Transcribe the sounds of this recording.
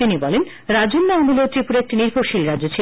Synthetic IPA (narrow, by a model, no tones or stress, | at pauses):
inibɔlen | ɾad͡ʑonːaomulot̪ɾipuɾek̚ʈiniɾpʰoʃilɾad͡ʑot͡ɕʰe